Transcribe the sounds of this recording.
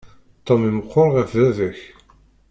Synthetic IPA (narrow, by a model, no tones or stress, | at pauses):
t̪ˤːomiməqʰːoɾʁəfðæðəç